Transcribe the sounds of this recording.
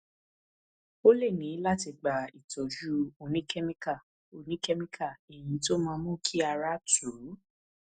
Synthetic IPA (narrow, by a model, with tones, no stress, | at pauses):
o˦le˦˨nĩ˨˦la˦ti˧ɡ͡ba˨i˨tɔ˨d͡ʒu˦o˧nĩ˦kɛ˦mĩ˦ka˦˨ | o˧nĩ˨˦kɛ˦mĩ˦kʰa˦˨e˨j̃ĩ˨˧˦to˦mãː˧mũ˦kʰi˦a˧ɾa˦tu˨˦